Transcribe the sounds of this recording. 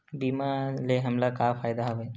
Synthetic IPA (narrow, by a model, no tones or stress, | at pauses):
bimaleɦəmlakafʰaːjd̪aɦoʋe